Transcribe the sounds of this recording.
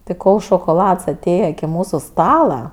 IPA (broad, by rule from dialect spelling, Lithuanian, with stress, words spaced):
tʲɪ ˈkoːlˠ ʃoːkoːˈlˠɐts ɐˈtʲeːjɛ ɪkʲɪ ˈmuːsʊ ˈstɑːlˠɐ